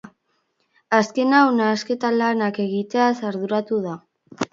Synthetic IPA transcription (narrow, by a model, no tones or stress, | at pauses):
aske̞nawnaːske̞t̪alanake̞ɣit̪easaɾðuɾat̪uða